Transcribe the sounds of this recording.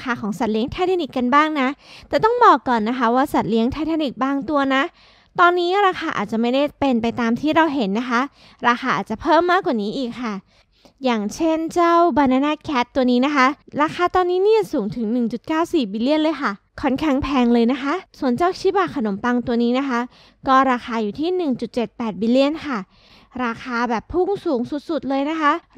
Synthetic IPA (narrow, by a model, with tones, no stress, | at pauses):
xaː˧kʰɔː˩˦ŋsa˨˩t̪̚li˦əŋt̪ʰa˧˦˥t̪ʰa˧ni˨˩kːa˧nbaː˥˩ŋna˦˥t̪ɛː˨˩t̪ɔ˥˩ŋbɔː˨˩kːɔː˨˩nːa˦˥xʰa˦˥waː˥˩sa˨˩t̪̚li˦˥əŋt̪ʰa˧˦˥t̪ʰa˧ni˨˩k̚baː˧˥˩ŋt̪u˧ɐna˦˥ | t̪ɔː˧nːiː˦˥ɾaː˧xaː˧ʔa̰ː˨˩t̪̚t͡ɕa˨˩ma˥˩jda˥˩jpe˧npa˧jt̪aː˧mt̪ʰiː˥˩ɾa˧wɦe˩˦nːa˦˥kʰa˦˥ | ɾaː˧xaː˧ʔa̰ː˨˩t̪̚t͡ɕa˨˩pʰɤː˥˩mːaː˥˩kwaː˨˩niː˦˥ʔiː˨˩kʰːa˥˩ | jaː˨˩ŋt͡ɕʰe˥˩nt͡ɕa˥˩wbaː˧naː˧naː˧˥˩kʰɛː˦˥t̪ːu˧əniː˦˥na˦˥kʰa˦˥ɾaː˧xaː˧t̪ɔː˧nːiː˦˥niː˥˩˨suː˩˦ŋt̪ʰɯ˩˦ŋnɯ˨˩ŋt͡ɕu˨˩t̪̚kaː˥˩wsiː˨˩biː˧li˥˩ənlɤː˧jkʰa˥˩ | kʰɔ˥˩nkʰɛ˦˥˩ŋpʰɛː˧ŋlɤː˧jna˦˥kʰa˦˥ʔsu˨˩˦ənt͡ɕa˥˩wt͡ɕʰiː˦˥baː˨˩kʰa˧no˨˩˦mpa˧ŋt̪u˧əniː˦˥na˦˥kʰa˦˥ | kɔː˥˩ɾaː˧xaː˧juː˨˩t̪ʰiː˥˩nɯ˨˩ŋt͡ɕu˨˩t̪̚t͡ɕe˨˩t̪̚pɛː˨˩t̪̚biː˧li˥˩ənkʰa˥˩ | ɾaː˧xʰaː˧bɛː˨˩pʰːu˥˩ŋsuː˩˦ŋsu˨˩t̪̚su˨˩t̪̚lɤː˧jna˦˥kʰa˦˥ʔ